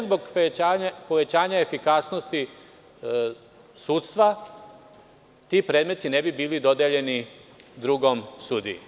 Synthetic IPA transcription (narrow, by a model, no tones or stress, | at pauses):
zboɡaɲapo̞ʋe̞t͡ɕaːɲaefikasno̞st̪i | suːt̪st̪ʋa | t̪ipɾe̞ːd̪me̞t̪ine̞bibiːlid̪o̞d̪eʎe̞nid̪ɾuɡo̞msuːd̪i